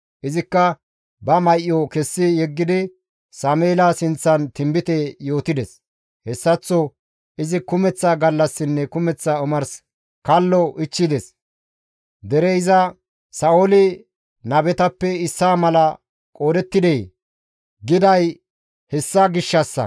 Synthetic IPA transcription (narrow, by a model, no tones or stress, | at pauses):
ʔɪzɪkːɐ | bɐmɐjʔjːɔkɛsːɪjɛɡːɪd̪ɪ | sameːlasɪnt͡sːɐnt̪ɪmbɪt̪ɛjo̞ːt̪ɪd̪ɛs | hɛsːɐt͡sːɔ | ʔɪzɪkʊmɛt͡sːaɡɐlːɐsːɪnːɛkʊmɛt͡sːaʊmɐɾs | kɐlːɔʔɪt͡ʃːɪd̪ɛs | d̪ɛɾɛɪzɐ | sɐolɪ | nɐbɛt̪ɐpːɛɪsːaːmɐlɐ | kʼoːd̪ɛt̪ːɪd̪ɛj | ɡɪd̪ɐj | hɛsːaɡɪʃːɐsːɐ̰